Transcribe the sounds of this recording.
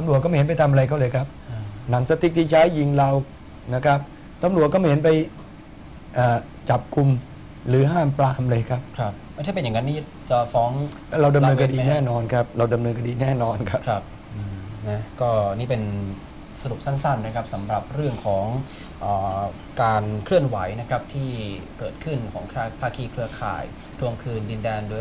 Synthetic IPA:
t̪a˧mɾu˨˩ət̚kɔ˥˩a˩˨he˦npa˧jt̪ʰa˧ma˧ɾa˧jkʰa˥˩wlɤː˧jkʰa˦˥p̚ːna˩˦ŋsa˧t̪i˨˦t̚t̪ʰi˥˩t͡ɕʰaː˦˥jːi˧ŋɾa˧w | na˦˥kʰa˦˥p̚ | t̪a˧˩mlu˨˩əkɔː˥˩˦ɦe˩˦npa˧j | ʔaː˨˩ | t͡ɕa˨˩p̚kʰu˧m | ɾɯː˩˦ɦaː˥˩mplaː˧mlɤː˧jkʰa˦˥p̚kʰa˦˥˩p̚ma˥˩t̪ʰːpe˧ja˨˩ŋːa˦˥nːiː˥˩ | t͡ɕa˨˩fɔː˦˥ŋlɛː˦˥ɾa˧wda˧mnɤː˧nkʰa˧diː˧nɛː˥˩nɔː˧nkʰa˦˥p̚ɾa˧wda˧mnɤː˧nkʰa˧diː˧nɛː˥˩nɔː˧nkʰa˦˥pkʰɾa˦˥p̚ | ʔɯː˨˧˩na˦˥kɔː˥˩˧niː˦˥pe˧n | sa˧ɾu˨˩p̚sa˥˩nsa˥˩nːa˥˩kʰɾa˦˥p̚sa˩˦mɾa˨˩p̚ɾɯ˥˩əŋkʰɔː˩˦ŋ | ʔaː˨˩ | kaː˧nkʰɾɯ˥˩ənwa˩˦jna˦˥kʰɾa˦˥p̚t̪ʰiː˥˩kɤː˨˩t̪̚kʰɯ˥˩nkʰɔː˩˦ŋkʰaː˥˩pʰaː˥˩kʰiː˧kʰɾɯ˧ɐkʰa̰ː˨˩j | t̪ʰu˧əŋkʰɯː˧ndi˧ndɛː˧ndo˧

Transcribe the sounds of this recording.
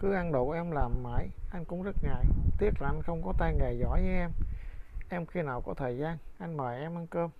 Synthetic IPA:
kɨ˨˦ʔa˧nɗo̰˧˨ʔɛ˧mlaː˨˩mːa̰ː˧˩jʔa˧jŋ̟kʊ̰˧˥ŋ͡mzə˦˥t̚ŋa̰˨˩˨jt̪i˦˥ət̚laː˨˩ʔŋ̟xə˧wŋ͡mkɔ˨˦t̪a˧jŋa˨˩jzɔ̰˧˥jzɨ˨˦ʔɛ˧mʔɛ˧mxi˧naː˨˩wkɔ˨˧˦t̪ʰəː˨˩jzaː˧nʔa˧jŋ̟maː˨˩ʔɛ˧mʔa˧nkəː˧m

